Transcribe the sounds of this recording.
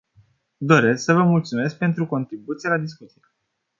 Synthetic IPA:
d̪o̞ɾe̞sksəvəmult̪sume̞sk̚pe̞nt̪ɾuko̞nt̪ɾibut̪sijelad̪iskut̪sije

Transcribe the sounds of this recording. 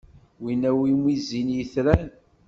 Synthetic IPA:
winæwimizinjəθɾæn

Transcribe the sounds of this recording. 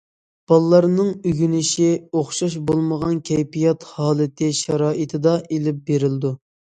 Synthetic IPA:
b̥ɑlˠlːɑɾnɨŋyɡʲynɪʃioχʃɑʃ̬bolˠməʁɑnkʲʰɛjpijɑt̪hɑːlˠɨt̪ʰɪʃɑɾɑːʔit̪ʰɪd̪ɑʔelɪp̚beɾɪld̪u

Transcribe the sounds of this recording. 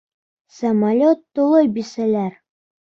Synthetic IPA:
sɐmalʲot̪ːulˠɤjbisælæɾ

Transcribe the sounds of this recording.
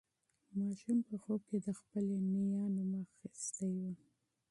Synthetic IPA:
mɑʃumpəxob̚ked̪əxpəlenijɑnomaxist̪ajwa

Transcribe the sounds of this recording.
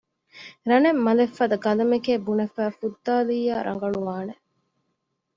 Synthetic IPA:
ɾɐnemːɐlefːɐd̪ɐɡɐlɐmekeːbunɐfæːfud̪ːaːliːaːɾʔɐ̰ŋ̆ɡɐɭuʋaːne

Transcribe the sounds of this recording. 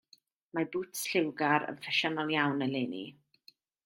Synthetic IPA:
mabutʰsɬɪwɡaɾə̰nfɛʃɔnalˠjawnəlenḭ

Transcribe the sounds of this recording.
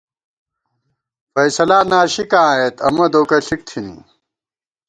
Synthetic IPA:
fɐjsɐlaːnaːɕikãːet̪ɐ̰mɐd̪oːkɐɬik̚t̪ʰinḭ

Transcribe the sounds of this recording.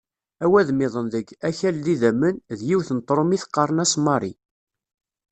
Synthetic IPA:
æwæðmɪðˤənðəɡæçælðiðæmːənðjiwθənət̪ːˤɾˤomiθqːɑɾˤənæsmɑɾˤḭ

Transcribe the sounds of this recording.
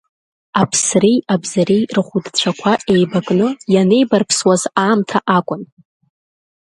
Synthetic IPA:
apʰsrijabzaɾijrχʷudt͡ɕʷʰakʷʰaʔe̞jbakʼnɨjane̞jbarpʰswazaːmtʰaʔakʷʼʊn

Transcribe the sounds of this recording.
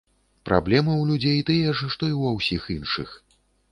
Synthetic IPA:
pɾʔa̰blʲɛmɨwlʲud͡zʲejt̪ɨjɛʂʂt̪ɔiwawsʲixinʂɨx

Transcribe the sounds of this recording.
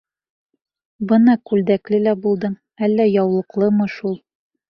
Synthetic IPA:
bɤnɑkʉld̪æklɘlæbulˠd̪ɤm | ælːæjɒwlˠɤ̆qlˠɤmɤʃulˠ

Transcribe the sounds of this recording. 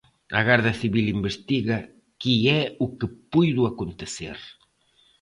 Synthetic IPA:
ɐ̰ɣaɾðɐθiβilimbest̪iɣɐ | kiɛukepujðuakont̪eθḛɾ

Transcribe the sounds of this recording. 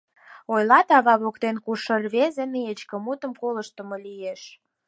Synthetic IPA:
ojlɑt̪ɑβɑβokt̪enkuʃərβezeneet͡ɕkə̆mut̪əmkoləʃt̪ə̆mɤ̆lieʃ

